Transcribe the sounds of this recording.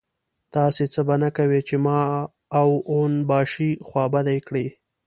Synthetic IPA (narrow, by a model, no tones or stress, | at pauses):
t̪ɑset͡səbanakawet͡ʃemɑ | awonbɑʃixwɑbad̪ajkɽe